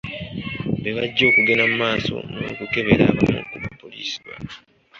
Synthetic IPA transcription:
βeβaɟːo̞ːkuɡenammaːso̞̰nookuke̞βe̞ɾaːβamo̰kuβapːo̞liːsi̥βwa̰

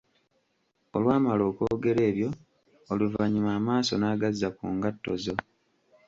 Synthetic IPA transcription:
o̰lwaːmalo̞ːko̞ːɡe̞ɾe̞ːβjo̞ | oluvaɲimaːmaːso̞naːɡazːakuːŋɡatːo̞̰zo̞

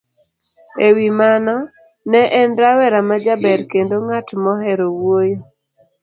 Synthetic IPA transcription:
ewimanɔ | nɛʔɛnɾawɛɾamad͡ʒabɛɾkendoŋatmɔɦɛɾowwojo

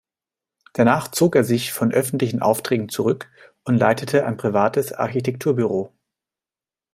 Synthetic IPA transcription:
d̥anaːχt͡soːkeːɐzɪçfɔnʔœfn̩tlɪçn̩ʔa̰ʊftʁ̥ɛːɡŋ̩t͡suʁʏk | ʊntlaɪtətʰəʔa̰ɪnpʁ̥ivaːtəsʔa̰ɐçitʰɛk̚tʰuːɐbyʁoː

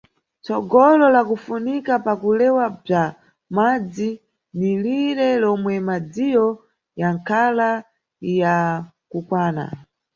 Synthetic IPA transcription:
t͡sɔɡɔlɔlakufunikapakulɛwab͡ʐa | mad͡zi | niliɾɛlɔmwɛmad͡zijɔ | jaŋkʰala | ja | kukwaːna̰

